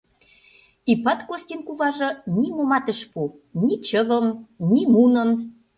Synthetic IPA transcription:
ipɑt̪kosʲt̪ʲinkuβɑʒɤ̆nimomɑt̪ə̆ʃpu | nit͡ɕəβəmnimunə̆m

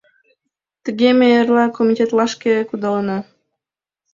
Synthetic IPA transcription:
t̪əɡʲemejərlɑkomʲitʲet̪lɑʃkʲekud̪ɑlnɑ

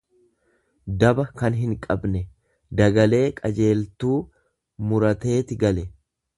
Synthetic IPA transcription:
d̪ɐbɐkɐnɦɪŋkʼɐbnɛ | d̪ɐɡɐle̞ːkʼɐd͡ʒe̞ːlt̪uː | mʊɾɐt̪e̞ːt̪ɪɡɐlɛ

